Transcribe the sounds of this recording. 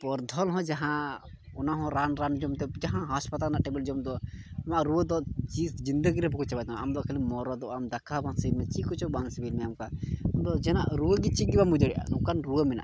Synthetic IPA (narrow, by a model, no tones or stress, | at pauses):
pɔɾd̪ʱɔlɦɔ̃d͡ʒaɦã | ɔnaɦɔ̃ɾanɾand͡ʒɔmt̪ɛd͡ʒaɦãɦɔspat̪alnaʔʈɛbɛld͡ʒɔmd̪ɔamaʔɾuəd̪ɔt͡ʃisd͡ʒind̪əɡiɾɛpkut͡ʃabat̪naamd̪ɔkʰəlimɔɾɔd̪ɔʔamd̪akʰːabʱaŋsəiɾmɛt͡ʃikɔt͡ʃɔbaŋsbilmɛamkaamd̪ɔd͡ʒɛnaʔɾuəɡit͡ʃiɡibamud̪əɽiʔa̰nukanɾuəmina̰ʔ